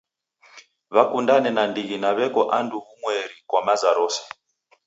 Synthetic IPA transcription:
βakundanɛnandiɣinaβɛkɔʔanduɣumwɛɾikwamazaɾoːsɛ̥

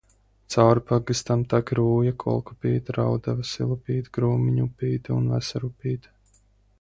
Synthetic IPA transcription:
t̪sawɾpaɡɨst̪amt̪akɾuːjakʰɔ̰lˠku̥pʲiːt̪ɾawd̪avasḭlˠupʲiːt̪ɡɾuːmiɲupʲiːt̪unva̰saɾupiːt̪

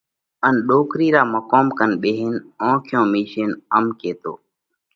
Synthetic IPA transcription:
ənɗoːkɾiːɾaːməkoːmkənɓeːɦɪnõːkʰɪjõːmiːʃeːnəmkeːt̪o̰ː

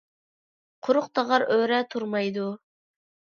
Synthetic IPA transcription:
qʰʊɾʊqt̪ʰɑʁɑɾøɾɛt̪ʰuɾmɑjd̪u

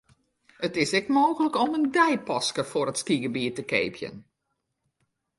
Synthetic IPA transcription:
ətɪsɛkmoːɣələkɔməndɛjpɔskəfʊrətskiɡəbiːtəkḛːpʰjə̰n

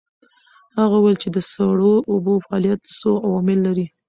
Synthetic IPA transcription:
haɣawajlt͡ʃed̪əsaɽoʔʊbofaɑlijat̪soawɑmɪlːaɾi

